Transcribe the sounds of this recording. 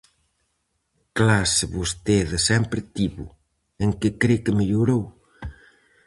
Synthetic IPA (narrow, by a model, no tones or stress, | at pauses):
klasɪβost̪eðɪsɛmpɾɪt̪iβʊ̰ | eŋkɪkɾekemeʎuɾow